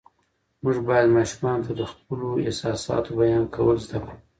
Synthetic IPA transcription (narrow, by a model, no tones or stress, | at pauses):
mʊʐbɑjad̪mɑʃumɑnot̪ʰad̪əxp̚əloɪ̰hsɑsɑ̰t̪ʰobajɑnkʰawəlzd̪aku